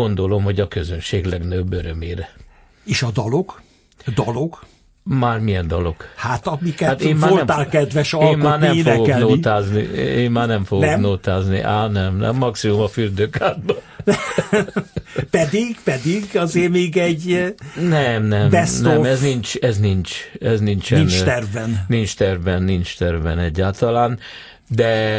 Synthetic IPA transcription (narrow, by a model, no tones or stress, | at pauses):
o̞nd̪o̞lo̞mhoɟɒkøzønʃeːɡlɛɡnøbːøɾømeːɾɛ | eːʃɒd̪ɒlo̞ɡ̥ | d̪ɒlo̞ɡ | maːrmijɛnd̪ɒlo̞ɡ̥hat̪ɒmikɛat̪eːmmaolɛmt̪aːlkɛd̪ʋɛʃɒlːmmaaːɾnɛeːfnoɛɡoɛknoːit̪aːznḭeːmmaːrnɛɱfoɡoɛnoːt̪aːznḭʔaːnɛmnɛ̰mːɒksimumɒfyrd̪øːkaːrbɒ | pɛd̪iɡpɛd̪iɡɒzeːmeːɡɛɟnɛmnɛmbɛsnoɛmɛznint͡ʃɛznint͡ʃɛznint͡ʃɛnt̪ɛrvɛnnint͡ʃt̪ɛrvɛnːint͡ʃt̪ɛrvɛ̰nɛɟːaːlt̪ɒlaːn | d̪ɛ